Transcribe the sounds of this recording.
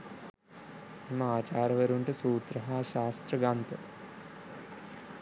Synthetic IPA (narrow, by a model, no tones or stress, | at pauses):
imɐaːt͡ɕaːɾɐʋɐɾuɳʈɨsuːt̪ɾɐɦaːʃaːst̪rɐɡaːnt̪ɐ